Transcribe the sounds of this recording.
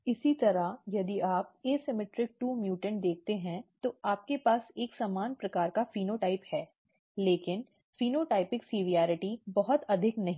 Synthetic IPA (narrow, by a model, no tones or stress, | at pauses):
ɪsit̪ɐɾajɐd̪iʔaːp̚eːsɪmɪʈɾɪk̚ʈuːmjuːʈə̃ɳd̪eːk̚ʰt̪eɦɛ̃t̪oaːp̚kepaːseːksaːmaːnpɾɐkaːɾkafiːnoʈaːɪphɛː | leːkɪn | fiːnoʈaːɪpɪksiːʋijaːɾɪʈibɐɦʊt̪ɐd̪ʱɪknɐɦĩː